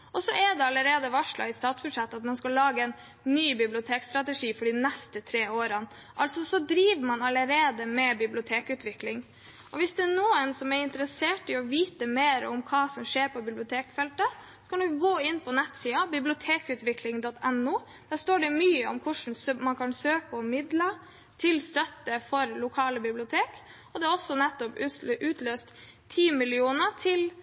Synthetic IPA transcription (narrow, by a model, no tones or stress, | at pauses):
ʔɔsɔʔɛd̪ɛɑləɾeːd̪əʋɑʂɭɑ̰ɪst̪ɑːt̪sbʉd̪ʂɛt̪ːəɑt̪mɑnskɑlːɑːɡəɛnː | yːbɪblɪʊt̪ʰeːkst̪ɾɑt̪əʂiːfɔɖɪnɛst̪ət̪ʰɾeːoːɾən | ʔɑlt̪sɔsɔd̪ɾiːʋəmɑnɑləɾeːd̪əmɛbɪblɪʊt̪ʰeːkʉːt̪ʋɪklɪŋ | ʔɔʋɪsd̪ɛænuːənsɔmɛɾɪnt̪əɾəseːʈɪɔʋiːt̪əmeːɾɔ̰mkʰɑːsɔmʂeːɾpɔbɪblɪʊt̪ʰeːkfɛlt̪ə | sɔ̥kɑld̪ʊɡoːɪnːpʰɔnɛt̪siːɑbɪblɪʊt̪ʰeːkʉːt̪ʋɪklɪŋd̪ɔt̪ːʰɛnːuː | d̪̥æːst̪oːɖɛmyːəɔ̰mkʰʊʂn̩smɑnkʰɑnsøːkəɔmɪd̪lə | t̪ʰɪlst̪œt̪ːəfɔɾlʊkʰɑːləbɪblɪʊt̪ʰeːk | ɔd̪ɛæɾɔsːɔnɛt̪ːɔpʔʉːt̪løːst̪ʰː | iːmɪlɪuːnət̪ʰɪl